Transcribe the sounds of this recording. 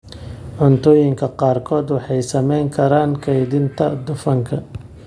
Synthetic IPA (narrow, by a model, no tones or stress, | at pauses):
ʕʊnt̪ʰɔːjɪŋkʰɐqɑːrkʰɔːd̪wɑħɑjsɐmɛjŋkʰɐɾaːnkʰɐjðɪnt̪ʰɐd̪ʊfɐŋkʰɐ